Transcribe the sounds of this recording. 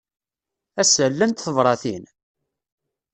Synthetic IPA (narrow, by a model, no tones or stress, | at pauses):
æsəlːənt̪θəvɾˤɑθin